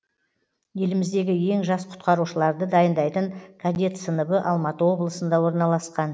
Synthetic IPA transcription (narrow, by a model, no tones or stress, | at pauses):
je̞lɪmɪzd̪e̞ɡʲɪje̞ŋʒɑsqʰʊ̥t̪qʰɑɾuʃəlˠɑɾd̪əd̪ɑjənd̪ɑjt̪əŋkʰad̪ʲe̞t̪sənəbəʔɑlˠmɑt̪əwo̞blˠəsənd̪ɑwo̞ɾnɑlˠɑsqɑn